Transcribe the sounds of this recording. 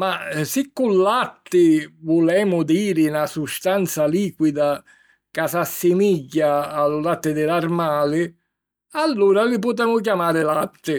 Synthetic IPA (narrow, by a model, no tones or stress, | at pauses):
masɪkːʊlːat̪ːɪvʊlɛːmʊd̪iːɾɪnasust̪ant̪saliːkwid̪a | kasasːɪmiɟːaːlʊlat̪ːɪd̪ɪlarmaːlɪ | alːuːɾalɪp̬ʊt̪̬ɛːmʊk̬jamaːɾɪlat̪ːɪ